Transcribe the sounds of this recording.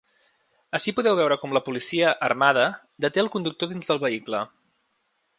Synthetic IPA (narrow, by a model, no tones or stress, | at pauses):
əʃipuðɛwβɛwɾəkɔmləpulisiəʔərmað̞ə | d̪ət̪eəlˠkund̪uk̚t̪oðinzðəlˠβəiklə